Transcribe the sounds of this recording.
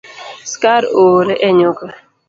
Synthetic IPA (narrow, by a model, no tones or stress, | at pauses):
skaɾoːɾeʔɛɲoka